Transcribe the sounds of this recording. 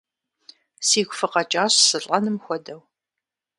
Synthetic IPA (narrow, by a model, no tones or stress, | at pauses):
siːɡʷfɨqɐt͡ʃʼaːɕsɨɬʼɐnɨmxʷɔdɐw